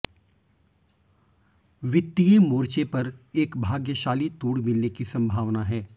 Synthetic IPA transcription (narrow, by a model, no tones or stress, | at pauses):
ʋɪt̪ːijemoːɾt͡ʃepɐɾeːkbʱaːɡjəʃaːlit̪uːɽmɪlnekisɐ̃mbʱaːʋnaɦɛː